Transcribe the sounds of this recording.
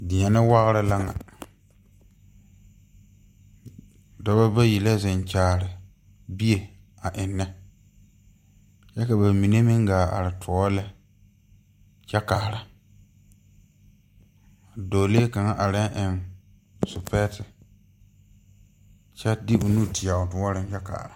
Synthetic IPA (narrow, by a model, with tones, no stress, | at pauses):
dɪ˨ɲɛ˨nɪ˦wa˦ɣɾɪ˦la˦ŋa̰˨ | dɔ˨βa˦ba˦ji˨la˦zɪ˨nt͡ʃaː˨ɾɪ˨ | bi˦je˨ | a˨ʔɪ˨nːɛ˦ | t͡ʃɛ˦ka˨ba˨mi˨ne˦mɪ˦ŋɡaː˨a̰˨ɾɪ˨tʰʊ˨ɔ˦lɛ˦ | t͡ʃɛ˦kaː˨ɾa˨ | a˨doː˨le˦ka˨ŋa˦ʔa˨ɾɪ˦ʔɪ˨n | sʊ˨pɛ˦tɪ˨ | t͡ʃɛ˦dɪ˦ʊ˨nu˦˨tʰɪ˨a˨ʊ˨tʊ˦ɔ˦ɾɪ˦nt͡ʃɛ˦ka̰ː˨ɾa˨